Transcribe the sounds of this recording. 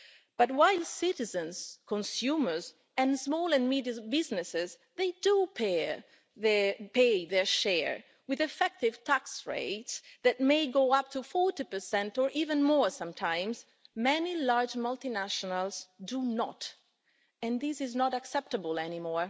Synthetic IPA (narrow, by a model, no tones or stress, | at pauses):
b̥ʌtwaɪlsɪtɪzə̃nskʰɔ̃nsjumə˞z | ɛ̃nsmɔːlɛ̃nmidəbɪznɪsɪz | ðeɪdupʰe | peðɛɹʃɛɹ | wɪðɨfɛk̚tɪvtʰaksɹḛɪtsðɛt̚meɪɡoːap̚tufɔɹtipə˞sɛ̃ntɔɹʔiːvə̃nmɔɹsãmtʰãɪ̃mz | mɛnilaɹd͡ʒmʌlˠtinæʃɔnalˠzdunɔ̰t | ɛ̃nðizɪznɔɾaksɛp̚təbəlɛnimɔɹ